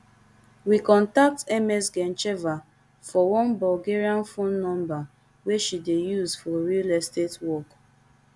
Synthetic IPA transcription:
wikɔ̃ntak̚tɛmɛsɡɛ̃nt͡ʃɛva | fɔwɔ̃nbɔlɡeɹiãnfõnːɔ̃mba | weʃidejuzfɔɹilɛstetwɔk

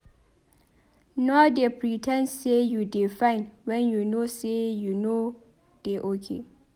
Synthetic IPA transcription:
nɔdepɹitʰɛ̃ndsejudifãɪ̃nwɛ̃njunosejuno | d̥eʔokʰḛ

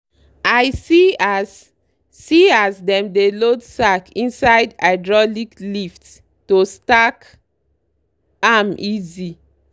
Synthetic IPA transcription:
ajsi | siasdɛ̃mdelodsakĩnsaɪdaɪdɹɔliklifts | tostak | amʔizi

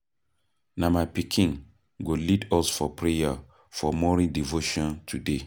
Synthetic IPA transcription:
namapikʰĩŋ | ɡolidɔsfɔpʰɹeja | fɔmɔɹĩdivoʃɔ̃ntʰude

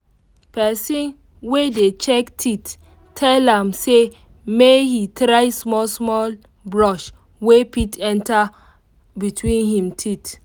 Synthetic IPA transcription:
pɛsɔ̃n | wedet͡ʃɛktʰit | tʰɛlãmse | mehitɹajsmɔlsmɔl | bɹɔʃ | wepitɛ̃nta | bitʰwĩnhĩmtʰit

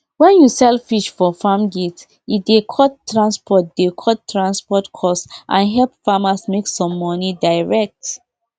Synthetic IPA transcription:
wɛ̃njusɛlfiʃfɔfamɡit | idekʰɔttːɹãnspʰɔt̚d̥ekʰɔttːɹãnspɔtkʰɔsʔã̰nɦɛlpfamasmeksɔ̃mːɔnidaɪɹɛk̚t

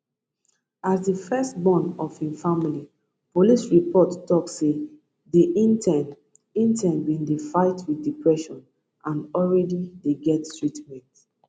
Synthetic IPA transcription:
azdəfɛst̚bɔ̃nɔvhifamili | polisɹipʰɔtːɔkse | diinɛn | ĩntʰɛ̃nbĩndefaɪtʰwiθdipʰɹɛʃɔ̃n | ãnɔlɹɛdideɡɛttɹitmɛ̃nt

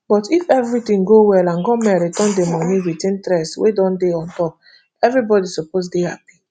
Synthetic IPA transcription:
bɔtifɛvɹitĩŋɡowɛlãnɡɔmɛɾidɔ̃ndemɔmiwitĩntɾɛswḛdɔ̃ndeɔ̃ntɔp̚ | ɛvɹibɔdisɔposdeha̰pi̥

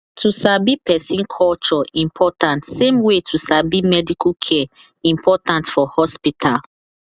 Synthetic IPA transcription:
tʰusabipɛsĩnkʰɔlt͡ʃɔĩmpʰɔtãntsẽmwetʰusabimɛdikʰukʰɛɛ | ĩmpʰɔtãntfɔhɔspitʰal

